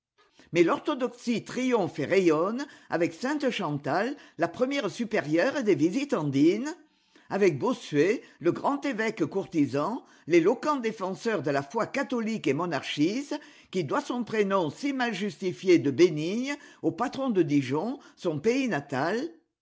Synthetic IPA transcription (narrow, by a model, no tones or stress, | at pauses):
mɛlɔʁt̪ɔd̪ɔksit̪χijɔ̃feʁejɔna̰vɛksɛ̃t̪əʃɑ̃t̪alːapχəmjɛʁsypeʁjœʁd̪evizit̪ɑ̃d̪in | avɛk̚bosɥeləɡʁɑ̃t̪evɛkkuʁt̪izɑ̃ | lelɔkɑ̃d̪efɑ̃sœʁd̪əlafwakat̪ɔlikemɔnaʁʃist̪ | kʲid̪wasɔ̃pχenɔ̃simalʒyst̪ifjed̪əbeniɲopat̪χɔ̃d̪əd̪iʒɔ̃sɔ̃peinat̪al